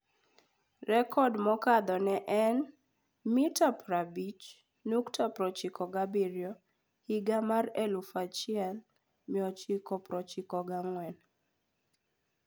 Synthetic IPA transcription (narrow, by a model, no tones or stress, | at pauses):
rɛkʰɔdmɔkad̪ɔnɛʔɛn | mitapɾabit͡ʃ | nuktʰapɾɔt͡ʃikʰɔɡabiɾjɔ | hiɡamarɛlufat͡ʃɪɛl | miɔt͡ʃikɔpɾɔt͡ʃɪkɔɡaŋwɛn